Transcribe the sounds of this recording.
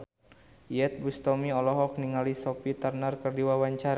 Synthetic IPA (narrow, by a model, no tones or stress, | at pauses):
jɛt̪̚bust̪ɔmiɔlɔɦɔk̚niŋalisɔpit̪arnarkərdiwawaɲt͡ʃaɾa